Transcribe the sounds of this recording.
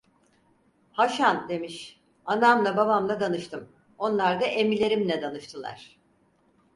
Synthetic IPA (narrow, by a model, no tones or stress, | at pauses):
haʃand̪e̞miʃ | anamlˠababamlˠad̪anɯʃt̪ʰɯm | o̞nlˠaɾd̪aʔe̞milʲe̞ɾimlʲɛd̪anɯʃt̪ʰɯlˠa̰ɾ̥